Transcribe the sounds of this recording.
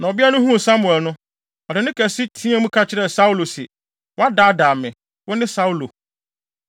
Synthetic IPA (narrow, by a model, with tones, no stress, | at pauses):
nã˨ɔ˨bi˦a˦nʊ̃˦ɦũ˦˨sa˦mu˨ɛ˨lnʊ̃˦ | ɔ˨dɪ˨nɪ̃˦kʰæ˨si˦tʰĩ˦a˦mũ˦kʰa˦t͡ɕʰɪ˦ɾɛ˨sa˦u˦lo˨sɛ̰˨ | wɔ˦a˦daː˦daː˨mɪ̃˨ | wʊ˦nɪ̃˦sa˦u˦lo˨